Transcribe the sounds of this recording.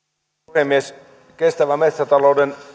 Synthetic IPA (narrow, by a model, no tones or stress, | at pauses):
hemːies | kest̪æʋæmet̪sæt̪ɑlouden